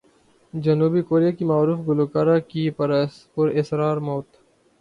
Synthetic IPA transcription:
d͡ʒɐnuːbikoːɾijakimaːɾuːfɡʊloːkaːɾakipɾpʊɾɪsɾaːɾmoːt̪

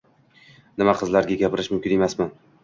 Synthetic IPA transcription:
nɪmaqʰɨzlaɾɡʲaɡʲapɪɾɪʃmʊmkʲɪne̞masman

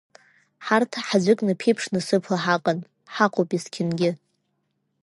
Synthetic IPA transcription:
ħartʰħad͡ʒʷɪkʼnɨpʰejpʰʂnɨsɨpʰlaħaqʼan | ħaqʰʼopʼiskʲʰɪnɡʲɪ

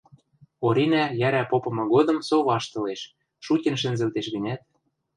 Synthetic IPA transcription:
oɾʲinæjæɾæpopɤ̆mɤ̆ɣod̪ɤ̆msoβɑʃt̪ɤ̆leʃ | ʃutʲĕnʃ̬ɘ̆nzɘ̆lt̪eʃɣə̆nʲæt̪̚

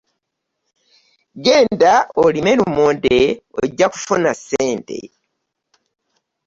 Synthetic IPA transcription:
ɡe̞ːndaolimelumoːndeo̰ɟːaku̥funaseːnte̞̰

